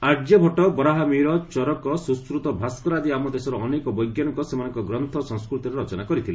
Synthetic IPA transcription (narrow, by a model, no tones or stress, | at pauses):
aɾd͡ʒɔbʱɔʈɔbɾaɦamiɾɔt͡ʃɔɾɔkɔsuskɾut̪ɔbʱaskɔɾad̪iamɔd̪esɔɾɔːnekɔbɔjɡjanɔŋkɔsemanɔŋkɔɡɾɔnt̪ʰɔsɔ̃ŋskɾut̪iɾeɾɔt͡ʃɔnakɔɾit̪ʰile